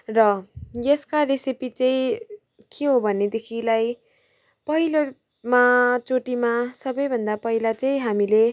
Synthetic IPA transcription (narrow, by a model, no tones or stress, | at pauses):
rʌjeskaresipit͡sʌĩ | kʰeɦobʱʌned̪ekʰilaj | pʌɦilo | mat͡soʈimasʌbʌjbʱʌnd̪apʌɦilat͡sʌĩɦamile